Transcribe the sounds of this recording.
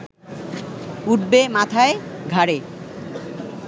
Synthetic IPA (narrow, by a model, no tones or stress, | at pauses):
uʈ̚bemat̪ʰaeɡʱaɾe